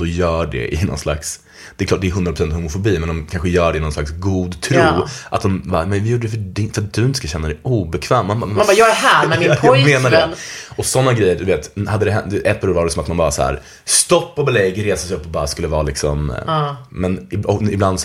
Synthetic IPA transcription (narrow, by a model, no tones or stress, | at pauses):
d̪ɔjœːɖɛ̰ʔɪnɔ̰nsla̰ks | d̪̥ɛkʰlɑːʈ̚d̪ɛːɾɦɵnd̪ɾapɾʊsɛnt̪hʊmʊfʊbiːmɛnd̪ɔmkʰanɧəjœːɖɛɪnɔnslaksɡuːd̪t̪ʰɾuːʔa̰t̪̚d̪ɔmbamɛnvɪjuːɖəɖɛfəɖɪfɾat̪̚d̪ɵɪnt̪ə̥skaɕɛnːad̪ɛjuːbɛkʰvɛːmːanabjɑːɛɦæːnmɪɔmeːnaɖɛɔsɔnːaɡɾɛjːəɾd̪ɵveːt̪had̪ːəd̪ɛɦɛd̪ɛʔɛpːlvaɖɛsɔmat̪manbɑːɾa̰shæ̰ːɾ | st̪ɔpːɔbɛlɛɡːɾeːsasɛɪjɵpːɔbɑːɾaskɵlːəvɑːlɪksɔm | mɛnɪɔɪbland̪s